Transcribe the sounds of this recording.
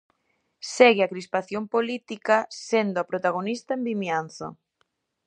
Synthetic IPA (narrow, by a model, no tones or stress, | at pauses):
sɛɣɪakɾispaθjompolit̪ikasend̪ʊapɾot̪aɣ̞onist̪aembimjan̟θo̰